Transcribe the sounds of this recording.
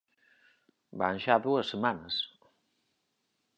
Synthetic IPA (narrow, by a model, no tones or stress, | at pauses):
ba̰nʒaðuəsːemanəs